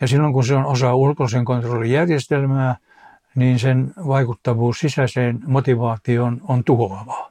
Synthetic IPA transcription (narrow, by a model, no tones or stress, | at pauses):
jɑsilːoŋkunseonosɑːulkoliseŋkont̪rolːijærjest̪elmæː | niːnsenʋɑikut̪ːɑʋuːssisæseːnmot̪iʋɑːt̪ionont̪uoɑʋɑ̥